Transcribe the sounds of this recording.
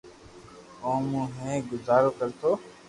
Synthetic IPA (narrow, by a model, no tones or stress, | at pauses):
õːmũːɦẽːɡʊzaːɾoːkəɾt̪ʰoː